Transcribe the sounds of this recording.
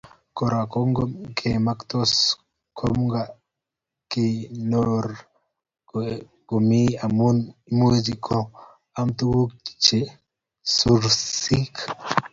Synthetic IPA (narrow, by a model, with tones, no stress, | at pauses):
ko˨ɾa˨ko˦ŋɡomkʰema˦kt̪o˦s | kʰo˦mɡa˨ | ki˨noɾ | ɡ̥o˨mi˦a˨mu˦nmu˦d͡ʒi˨kʰɔ˦ | a˦mt̪u˦ɡu˦ki̥˨t͡ʃe˨ | su˨ɾsi˦k